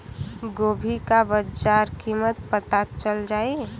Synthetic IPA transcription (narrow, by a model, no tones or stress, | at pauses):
ɡoːbʱikabəd͡ʒaːɾkimət̪̚pət̪at͡ʃəld͡ʒaːe